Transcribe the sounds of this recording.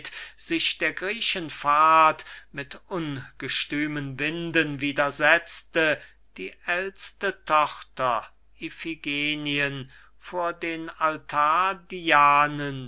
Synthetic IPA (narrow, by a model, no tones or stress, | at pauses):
tz̥ɪʃd̥eːɐɡʁiːʃənfaːtmɪtʔʊnɡ̥əʃtyːmənvɪndənviːdɐzɛt͡stə | d̥iːʔɛlstətʰɔχtɐ | ifiɡeːniən | foːɐdeːnaltʰaːɐdiaːnən